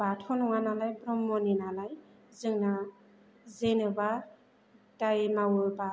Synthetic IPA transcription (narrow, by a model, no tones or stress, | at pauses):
batʰɔnɔŋanalajbɾɔmːɔninalaj | zɯŋna | zenɯba | tajmawɯba